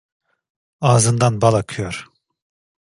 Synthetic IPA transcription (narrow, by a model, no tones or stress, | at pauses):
aːzɯnd̪anbalˠakʰɯjoɾ̥